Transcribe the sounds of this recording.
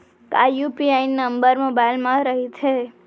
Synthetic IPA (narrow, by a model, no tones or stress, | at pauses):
kajupiainːəmbəɾmobailmãɾəɦit͡ʃʰe